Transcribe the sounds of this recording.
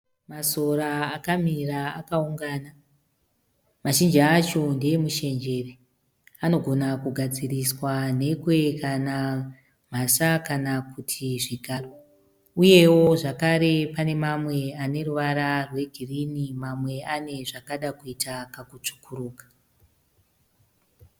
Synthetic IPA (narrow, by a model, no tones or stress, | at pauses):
maso̞ɾaːkamira̰ːkauŋɡaːna | maʃind͡ʒaːt͡ʃo̞nde̞muʃe̞nd͡ʒe̞re | ano̞ɡʱo̞nakuɡʱad͡ziriswane̞kwe̞kana | m̤asakanakutʰiʐiɡʱaro | uje̞wo̞ʐakaɾe̞pane̞mamwe̞ane̞ruʋaɾarwe̞ɡʱirinimamwe̞ane̞ʐakaɗakuitakakut͡ʂu̥kʰuɾuːkḁ